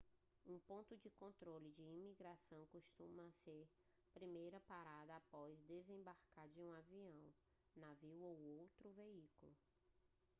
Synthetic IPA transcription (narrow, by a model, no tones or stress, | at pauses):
ũpõnt̪ʊd͡ʒɪkõnt̪ɾolɪd͡ʒɪimiɡɾasɐ̃w̃koʃt̪ũmɐseɾ | pɾimejɾɐpaɾad̪ɐapɔzd̪ezẽbaɾkaɾd͡ʒɪũaviɐ̃w̃ | naviwowowt̪ɾʊveikulʊ